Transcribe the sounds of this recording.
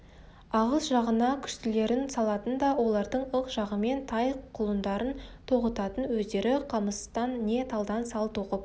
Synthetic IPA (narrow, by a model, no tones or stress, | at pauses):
ɑʁəsʒɑʁənɑkʲʰʏ̥ʃt̪ɪle̞ɾɪnsɑlˠɑt̪ənd̪ɑwo̞lˠɑɾd̪əɴəqʒ̥ɑʁəme̞nt̪ʰɑjqʰʊlˠənd̪ɑɾənt̪ʰo̞ʁət̪ɑt̪ənwɵzd̪e̞ɾɪqʰɑməst̪ɑnːe̞t̪ʰɑlˠd̪ɑnsɑlˠt̪ʰo̞qəp̚